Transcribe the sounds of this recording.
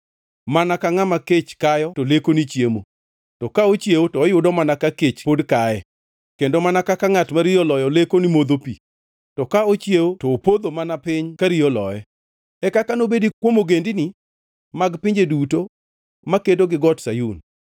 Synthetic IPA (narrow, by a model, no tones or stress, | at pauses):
manakaŋamaket͡ʃkajɔtolekonit͡ʃjemo | tɔkaot͡ʃjewotɔːjʊdɔmanakaket͡ʃpodkaɛ | kendomanakakaŋatmaɾiɔlɔjɔlekonimod̪opḭ | tɔkaot͡ʃjewotɔːpod̪omanapɪɲkaɾiɔlɔ̰jɛ | ɛkakanobedikwomoɡendɪnɪ | maɡpɪɲd͡ʒeduto | makedoɡɪɡɔtsajun